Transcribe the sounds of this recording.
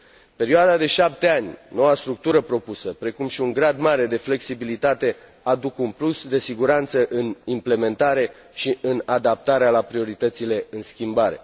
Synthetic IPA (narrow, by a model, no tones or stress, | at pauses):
pe̞ɾioad̪ad̪e̞ʃap̚t̪e̞anʲno̞wast̪ɾuk̚t̪uɾəpɾo̞pusəpɾe̞kumʃiuŋɡɾad̪maɾe̞d̪e̞fle̞ksibilit̪at̪e̞ | ad̪ukunplusd̪e̞siɡuɾant̪səʔɨnimple̞me̞nt̪aɾe̞ | ʃiʔɨnad̪ap̚t̪aɾealapɾio̞ɾit̪ət̪sile̞ɨnskʲimbaɾe̞̰